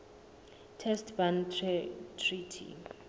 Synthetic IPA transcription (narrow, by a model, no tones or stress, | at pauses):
tʰɛstʰban | tʰritʰḭ